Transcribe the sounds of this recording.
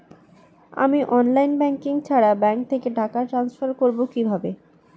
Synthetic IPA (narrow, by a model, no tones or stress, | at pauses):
a̰miʔɔnlajnbɛŋkiŋt͡ɕʰaɽabɛŋk̚t̪ʰekeɖakaʈɾansfaɾkoɾbokibʱabe